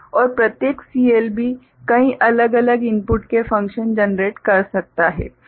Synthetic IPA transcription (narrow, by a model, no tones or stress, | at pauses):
ɔːɾpɾɐt̪jeːksiːeːlbi | kɐĩʔɐləɡɐləɡɪmpʊʈkefɐ̃ŋkʃənd͡ʒənɾeːʈkɐɾsɐk̚t̪aɦɛ̰ː